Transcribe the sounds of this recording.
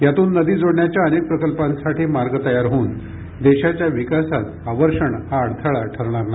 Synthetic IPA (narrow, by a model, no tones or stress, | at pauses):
jat̪uːnːəd̪iːd͡zoɽɳjat͡ɕjaənek̚pɾəkəlpãnsaʈʰiːmaɾɡt̪əjaɾɦoːn | d̪eɕat͡ɕjaʋikasat̪aʋəɾʂəɳhaːɽt̪ʰəɭaʈʰəɾɳ̃aɾnaj